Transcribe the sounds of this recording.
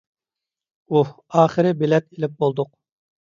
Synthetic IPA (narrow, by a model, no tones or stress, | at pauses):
u | ɑːχɨɾɪbelɛt̪̚elɪp̚bolˠd̪ʊq̚